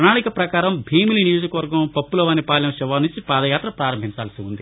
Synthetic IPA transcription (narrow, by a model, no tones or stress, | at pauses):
pɐɳaːɽikɐpɾɐkaːɾɐmbʱiːmilinijoːd͡ʒɐkɐʋɐɾɡɐmpɐpːulɐʋaːnipaːljɐmʃɛʋaːnuɲt͡ʃipaːd̪ɐjaːt̪ɾɐpɾaːɾɐmbʱiɲt͡ʃaːlɐsiund̪i